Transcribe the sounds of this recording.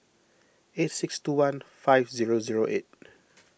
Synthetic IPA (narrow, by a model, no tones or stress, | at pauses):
etsikstuwãnfaɪvziɹoziɹoʔet̚